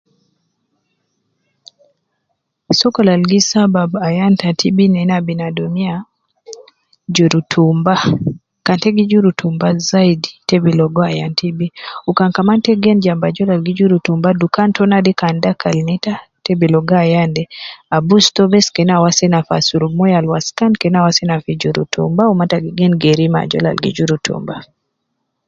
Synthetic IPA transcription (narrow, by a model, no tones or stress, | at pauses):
sɔkɔlalɡisababajantatʰibinɛnabinadɔmia | d͡ʒɔɾutʰumba | kantɛɡid͡ʒuɾutumbazaiditɛbilɔɡɔajantʰibiukaŋkamantɛɡɛnd͡ʒambad͡ʒɔlalɡid͡ʒuɾutumbadukantɔnadikandakalnitatɛbilɔɡajandɛabustɔbɛskɛnawasɛnafa̰suɾumɔjalwaskankɛnawasɛnafid͡ʒuɾṵtʰṵmbaumataɡiɡɛnɡɛɾima̰d͡ʒɔ̰la̰lɡḭd͡ʒuɾutʰṵmba